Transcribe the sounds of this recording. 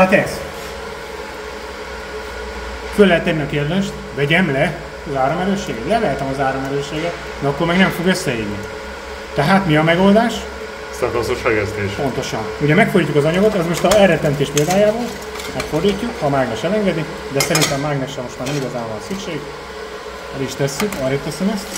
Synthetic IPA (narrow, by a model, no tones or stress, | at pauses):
hat̪ɛz | følːɛɦɛt̪ːɛnːiɒkeːrd̪eːʃt̪vɛɟɛmlɛ | zaːɾomɛɾøːʃːeːɡɛt̪lɛvɛːlt̪ɛmɒzaːɾo̞mɛɾøːʃeːɡɛt̪ | nɛɒkːormɛɡnɛɱfo̞ɡøsːɛjiːɡni | t̪ɛɦaːt̪miɒmɛɡo̞ld̪aːʃ | sɛnt̪ɒsoʃɛɡɛst̪eːʃpo̞nt̪o̞ʃɒnuɟɛmɛkford̪iːcːukɒzɒɲɒɡot̪ɛzmo̞ʃt̪ɒɛrɛt̪ɛnt̪eːʃpeld̪aːjaːboːl | mɛkfo̞rd̪iːcːukhɒmaːɡnɛʃɛlɛŋɡɛd̪i | d̪ɛsɛɾint̪ɛmːaːɡnɛkʃɛmo̞ʃt̪maːrnɛmiɡɒzaːvɒnsykʃeːɡ | ɛɾiʃt̪ɛsːykɒɾeːt̪ɛsɛmɛst̪